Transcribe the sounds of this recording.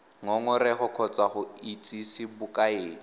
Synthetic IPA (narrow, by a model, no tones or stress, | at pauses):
ŋɔŋʊrɛχʊkʰɔt͡sʼaχʊit͡sʼisibʊkʼaeːŋ̩